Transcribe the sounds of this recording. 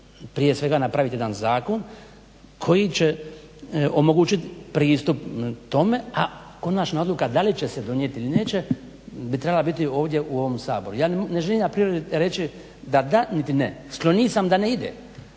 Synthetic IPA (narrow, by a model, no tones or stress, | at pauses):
pɾije̞sʋe̞ɡanapɾaʋit̪jd̪anzaːko̞n | kʰo̞jit͡ɕe | o̞mo̞ɡuːt͡ʃit̪pɾiːst̪upt̪o̞me̞a | ko̞nat͡ʃnaod̪lukad̪alit͡ʃe̞sed̪o̞njet̪ilineːt͡ɕe | bit̪ɾebalabit̪io̞ːʋd̪je̞ʔuo̞ʋo̞msaːbo̞ɾujaːneʒelimnapɾiɾed̪iɾe̞t͡ʃi | d̪ad̪anit̪inesklˠo̞niːsamd̪aneid̪ḛ